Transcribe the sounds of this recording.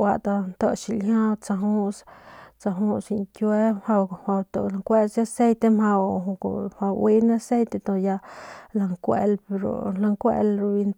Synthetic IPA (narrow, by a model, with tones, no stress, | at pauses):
wa˧ʔt̪a˧nt̪ə˧ʃi˧lɦã˦t͡sa˧ɦu˦st͡sa˧ɦũ˦si˧ŋkjwe˦mha˧wha˧wt̪o˧˨la˧ŋkʷe˦sja˦se˦jt̪e˧mha˧w̰ | a˧wʔwi˦ne˦a˧se˦jt̪e˧t̪o˧ja˧la˧ŋkʷḛ˧lpe˧ɾo̰˨la˧ŋkʷḛ˧lɾu˧βi˧n